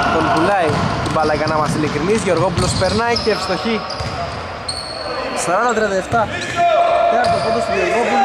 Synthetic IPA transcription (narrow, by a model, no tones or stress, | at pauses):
t̪o̞mpulɐjit̪ibɐlɐikɐnɐmɐsilikɾinizʝo̞ɾɣo̞p̬ulospeɾnɐjceefst̪o̞çi | sɐɾɐnd̪ɐt̪ɾiɐnd̪ɐeft̪ɐ | eɐɾt̪otod̪ost̪oʝo̞ɾɣo̞pulo